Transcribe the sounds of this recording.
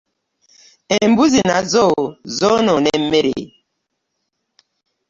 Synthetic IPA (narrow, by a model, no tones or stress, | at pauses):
ɛmbuzina̰zɔzononɛmeɾḛ